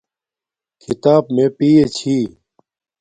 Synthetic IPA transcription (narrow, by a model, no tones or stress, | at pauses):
kʰɪt̪aːbmẽːpiːet͡ɕʰiː